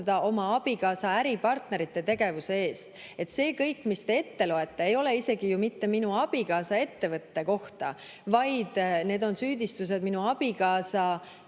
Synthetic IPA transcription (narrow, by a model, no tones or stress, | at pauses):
d̪ɑʔo̞mɑɑb̥ikɑːsɑæɾipɑrt̪ne̞ɾit̪ːˑe̞t̪e̞ɡe̞vuse̞e̞ːst̪e̞t̪ːse̞ːkɤjkːˑmist̪e̞e̞t̪ːe̞loe̞t̪ːe̞ejo̞le̞ise̞ɡijumit̪ːe̞minuɑb̥ikɑːsɑe̞t̪ːe̞vɤt̪ːe̞ko̞ht̪ɑ̰ | vɑjd̪̥ne̞ːd̪o̞nsyːd̪ist̪us̬e̞d̪̚minuɑb̥ikɑːsɑ